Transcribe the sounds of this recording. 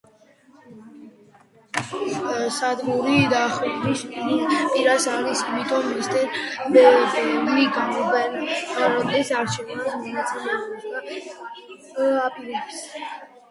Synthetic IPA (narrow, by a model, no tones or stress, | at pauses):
sad̪ɡuɾid̪aχuɾisɾipʼiɾasaɾisimit̪ʰʼɔmːist̪ʼɛnbɛliɡamɔvɛnɾɔd̪ɛsaɾt͡ʃʰɛvnasmɔnat̪sʼɛlɛa | apʼiɾɛbs